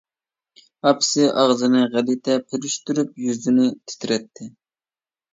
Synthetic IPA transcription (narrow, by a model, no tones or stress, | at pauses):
ɑpʰsɨʔɑʁzɨnɨʁælit̪ʰɛpʰɪɾyʃt̪yɾyp̚jyzd̪ynɪt̪ʰɪ̥t̪ʰɾɛt̪ʰːɪ